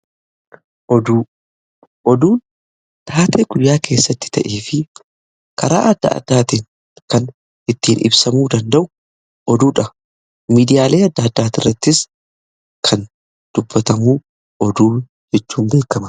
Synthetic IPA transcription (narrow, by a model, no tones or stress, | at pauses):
ʔɔd̪uː | ʔɔd̪uːn | t̪ʰaːt̪eːɡʊjjːaːkʰe̞ːsːɐt̪ːɪ̥t̪ɐ̰ʔeːfɪ | kɐɾa̰ːʔɐd̪ːɐ̰ɐ̰d̪̥ːaːt̪iːŋ | kɐn | ɪt̪ːiːnʔɪ̰bsɐmuːd̪ɐnd̪ɐʔʊ | ʔɔd̪uːᶑɐ | miːd̪ɪjaːle̞ːɐd̪ːɐːd̪ːaːt̪ɪrːɐt̪ːɪs | kʰɐn | d̪̥ʊbːɐt̪ɐmuː | ʔɔd̪uː | d͡ʒɛt͡ʃːuːnbe̞ːkːɐmɐ